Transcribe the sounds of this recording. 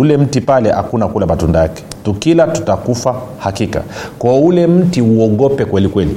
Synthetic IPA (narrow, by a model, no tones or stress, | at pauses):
ulɛm̩tipalɛha̰kunakulamatundajakɛ̥tukilatu̥takufahakika̰kwɔɔulɛm̩tiuɔɡɔpɛkwɛlikwɛlḭ